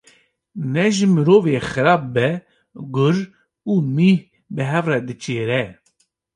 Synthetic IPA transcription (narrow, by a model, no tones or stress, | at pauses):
nɛʒɨmɨɾoːveːxɨɾɑːb̚bɛ | ɡʊɾ | uːmih | bɨɦɛvrɛd̪ɨt͡ʃeːɾɛ